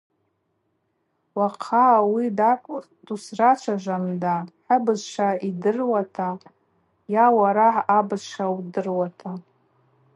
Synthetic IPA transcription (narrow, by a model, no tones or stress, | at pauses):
waqʰawidakʷʼ | dusrat͡ʃʷʰaʒʷamdaħəbɨzʃaidɨrwatʰa | jawaɾaħːbɨzʃawdɨrwatʰa